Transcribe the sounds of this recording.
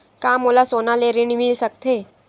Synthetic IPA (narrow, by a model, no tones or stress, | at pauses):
kamulasonaleɾiɳʋilsək̚t̪ʰe